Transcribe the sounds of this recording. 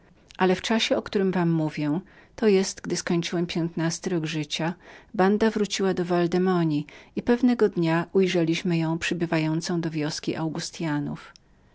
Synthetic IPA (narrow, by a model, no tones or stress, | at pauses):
ʔalɛft͡ʂaɕɛɔkt̪uɾɘmvamːuvʲjɛt̪ɔjɛst̪ɡd̪ɘskɔɲt͡ʂɘwɛmpʲjɛnt̪nast̪ɘɾɔɡʐɘt͡ɕaband̪avɾut͡ɕiwad̪ɔvald̪ɛmɔɲiipɛvnɛɡɔd̪ɲaʔujʐɛlʲiɕmɘjɔ̃w̃pʂɘbɘvajɔnt̪sɔ̃w̃d̪ɔvʲjɔskʲiʔawɡust̪janṵf